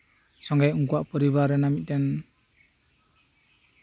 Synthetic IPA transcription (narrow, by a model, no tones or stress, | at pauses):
sɔŋɡajuŋk̬uaʔpɔɾiβaɾɛnamit̚dɛn